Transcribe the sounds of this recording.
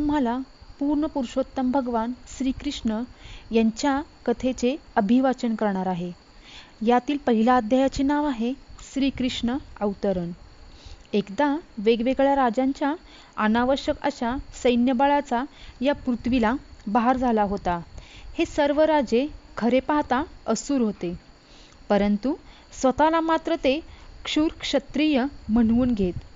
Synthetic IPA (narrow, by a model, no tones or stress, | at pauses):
t̪um̤alapuɾɳəpuɾɕot̪ːəmbʱəɡʋansɾiːkɾiʂɳəjaɲt͡ɕjakət̪ʰet͡seəbʱiʋat͡ɕənkəɾɳaɾaɦe | jat̪iːlpəɦilaːd̪ʱjajat͡ɕenaʋaɦeɕɾiːkɾiʂɳəəʋt̪əɾəɳ | ekd̪aʋeɡʋeɡɭjaɾad͡ʑãɲt͡ɕja | ənaʋəɾɕjəkə̰ɕasəjnjəbaɭat͡sajapɾut̪ʰʋilabaɦaɾd͡zʱalaɦot̪ahesəɾʋəɾad͡ʑekʰəɾepaɦt̪aəsuːɾɦot̪e | pəɾənt̪u | sʋət̪alamat̪ɾət̪ekʂuːɾkʂət̪ɾijəm̤əɳuːnɡʱet̪